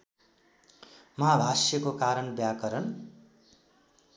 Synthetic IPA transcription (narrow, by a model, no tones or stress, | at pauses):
mʌɦabʱasjʌkokaɾʌnbjakʌɾʌn